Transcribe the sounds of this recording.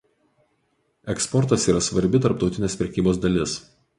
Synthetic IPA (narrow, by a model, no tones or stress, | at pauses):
ɛkspɔɾt̪ɐsiːɾɐsʋɐɾʲbʲɪt̪ɐɾp̚t̪ɒʊt̪ʲɪnʲeːspʲɾʲɛkʲiːboːsd̪ɐlʲɪs